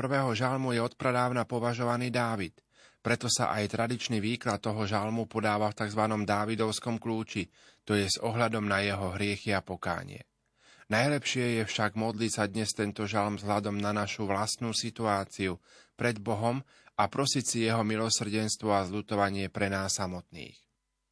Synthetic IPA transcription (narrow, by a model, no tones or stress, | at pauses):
pr̩ʋɛːɦɔʒalmujɛɔt̪̚pɾɛd̪aːʊnapɔʋaʒɔʋaniːd̪aːʋit̪ | pɾɛt̪ɔsa̰ʔajt̪ɾad̪it͡ʃniʋiːklat̪̚ːɔɦɔʒalmupɔd̪aːʋaft̪aɡzʋanɔmd̪aːʋid̪ɔʊskɔmkluːt͡ʃi | t̪ɔjɛzɔɦʎad̪ɔmnajɛɦɔɦɾɪɛxiapɔka̰ːɲɪ̰ɛ̰ | najlɛpʃɪɛjɛfʃaɡmɔd̪litsad̪ɲɛst̪ɛnt̪ɔʒalmzɦʎad̪ɔmnanaʃuʋlast̪nuːsit̪uaːt͡siupɾɛd̪bɔɦɔm | apɾɔsicsijɛɦɔmilɔsr̩ɟɛnst̪ʋɔazʎut̪ɔʋaɲɪɛpɾɛnaːsːamɔt̪nḭːx